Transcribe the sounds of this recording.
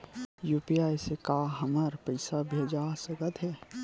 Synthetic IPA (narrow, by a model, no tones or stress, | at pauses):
juːpiaːjsekaːɦɐməɾpɐɪsabʱeːd͡ʒaːsəkət̪ɦɛː